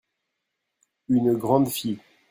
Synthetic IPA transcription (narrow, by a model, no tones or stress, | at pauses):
ynɡʁɑ̃d̪fi